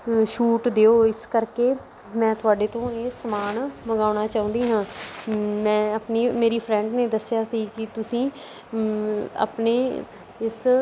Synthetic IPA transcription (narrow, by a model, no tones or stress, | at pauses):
ʃuːʈd̪eːoːɪskəɾkeː | mɛ̃ːt̪ʊaːɖeːt̪õːeːsəmaːnməɡaːnaːt͡ʃaːũːnd̪iːɦãː | mɛ̃ːəpniːmeːɾiːpʰɾɛ̃ːɳɖneːd̪əsjaːsiːkɪt̪ʊsĩː | a̰ːpneː | ɪs